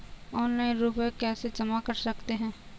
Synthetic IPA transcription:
ɔːnlaːĩnɾuːpekɛːsed͡ʒɐmakəɾsɐkt̪eɦɛ̃ː

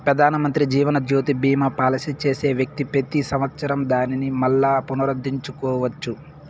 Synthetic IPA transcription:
pɾɐd̪ʱaːnɐmɐnt̪ɾid͡ʒiːʋɐnɐd̪ʱjoːt̪ibiːmɐpaːlɐsit͡ʃe̞ːseːʋjɐk̚t̪ipɾet̪isɐmɐt̪sɐɾɐmd̪aːninimɐlːaːpunɐɾɐd̪ʱːiɲt͡ʃukɔːʋɐt͡ʃːu

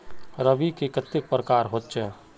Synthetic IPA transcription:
ɾəbikekət̪ːɪk̚pɾəkaːɾɦot̪t͡ʃɛː

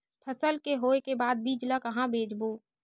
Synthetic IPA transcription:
pʰəsəlkeɦoːekebaːd̪̚biːd͡ʒlakɐɦãbʱeːd͡ʒboː

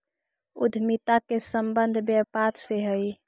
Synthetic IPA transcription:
ṵd̪ʱmit̪akesəmbənd̪ʱbjəpaɾseɦəj

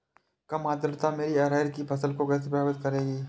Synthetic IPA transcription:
kɐmaːd̪əɾt̪ameːɾiɐɾaːɪɾkipʰɐsəlkokɛːsepɾaːbɪt̪̚kɐɾeːɡiː

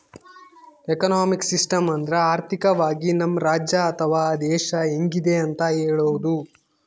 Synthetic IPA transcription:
ekɐnaːmiksisʈɐmɐnd̪ɾeaːɾt̪ʰikɐʋaːɡinɐmːɾaːd͡ʒjɐːt̪ʰɐʋaːd̪ɛːʃɐeŋɡid̪e̞ɐnt̪ɐɦeːɭoːd̪u

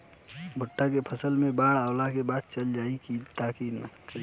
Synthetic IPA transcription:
bʱʊʈːakepʰəsəlmebaɽaʊlakebat̪̚t͡ʃəld͡ʒaikit̪aki

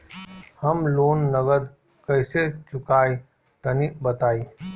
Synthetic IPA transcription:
həmloːnːəɡəd̪ | kəɪset͡ʃʊkaːi | t̪ənibət̪aːiː

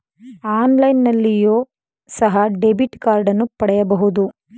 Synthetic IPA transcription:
aːnlɐjnːɐlːijoː | sɐɦɐɖebiʈkaːɾɖɐnːupɐɽɛjɐbɐɦud̪u

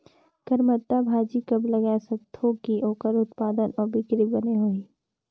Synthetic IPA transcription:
kɐɾmət̪ːabʱaːd͡ʒikɐblɐɡasɐt̪ʰːokiʔoːkəɾʊt̪paːd̪ənɔːɾbɪkɾibɐneɦoiː

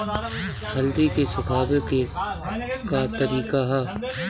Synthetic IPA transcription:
ɦɐld̪ikesʊkʰaːbeke | kat̪əɾiːkaɦɛ

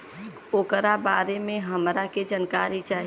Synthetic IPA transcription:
oːkɾabaːɾemẽɦəmɾaked͡ʒənkaːɾit͡ʃaːɦ

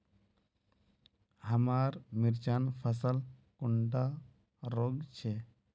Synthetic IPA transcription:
ɦəmaɾmiɾt͡ʃaːnpʰəsəlkuɳɖa | ɾoɡt͡ʃʰe

